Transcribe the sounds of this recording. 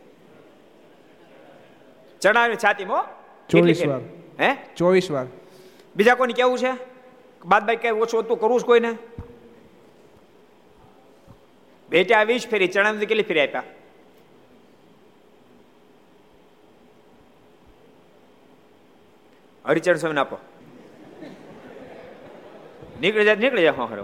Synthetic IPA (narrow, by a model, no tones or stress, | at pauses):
t͡ʃəɽ̃ait͡ʃʰaːt̪imo | t͡ʃoeʋiseɾʋaɾɦɛ̃t͡ʃoʋisʋaɾ | bid͡ʒakonikeʋũt͡ʃʰe | bad̪̚bakeot͡ʃʰʋət̪ũkəɾũt͡ʃʰkoine | beʈjaːʋit͡ʃpʰeɾit͡ʃəɽ̃amt̪ikelipʰeɾiaːpja | ə̰ɾit͡ʃəɽ̃s̬ɔmnaːpo̰ | nikɭed͡ʒat̪niklɭed͡ʒaɦõkʰɾḛ